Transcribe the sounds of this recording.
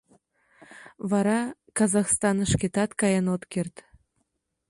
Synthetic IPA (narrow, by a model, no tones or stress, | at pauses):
βɑɾɑkɑzɑxst̪ɑnəʃket̪ɑt̪kɑjɑnot̪kert̪